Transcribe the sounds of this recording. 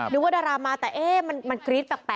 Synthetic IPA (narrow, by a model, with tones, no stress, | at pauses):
nɯː˦waː˥˩daː˧ɾaː˧maː˧t̪ɛː˨˩ʔeː˦˥˩ma˧nma˧nkɾiː˦˥t̪̚bɛː˨˩k̚pɛː˨˩